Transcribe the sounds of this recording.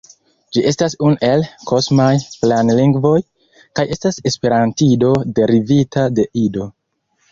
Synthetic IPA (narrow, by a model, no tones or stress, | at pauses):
d͡ʒiʔe̞stasune̞lko̞smajplanliŋɡvo̞j | kajʔe̞stase̞spe̞ɾantido̞de̞ɾivitade̞ʔido̞